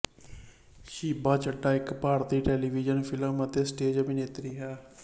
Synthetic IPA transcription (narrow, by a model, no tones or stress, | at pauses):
ʃiːbaːt͡ʃəɖːaːɪkpaːɾt̪iːʈɛːliːʋiːd͡ʒənpʰɪləmət̪eːsʈeːd͡ʒəbineːt̪ɾiːɦɛː